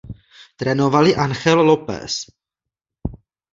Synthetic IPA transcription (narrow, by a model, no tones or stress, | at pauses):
t̪ɾɛnovalɪʔanxɛlːopɛ̰s